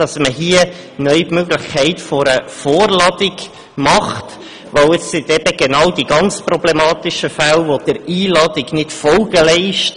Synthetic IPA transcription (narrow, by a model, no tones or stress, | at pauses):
d̥ɑsməɦiə | nœʏpmøɡlɪχkʰɛɪtfɔɾəfoːɾlɑdɪɡ | mɑχt | ʋəʊɪssɪtɛb̥əɡ̥enɑwd̥iɡɑnt͡sprɔblemɑːtɪʃəfælvod̥əɾiːlɑːdɪɡnɪtfɔlɡ̥əlɛɪʃt